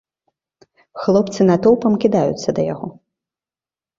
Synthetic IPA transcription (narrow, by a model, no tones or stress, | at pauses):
xlˠɔpt̪sɨnat̪ɔlˠpɐmkʲid̪ajṵt̪sːɐd̪ɐjaɣɔ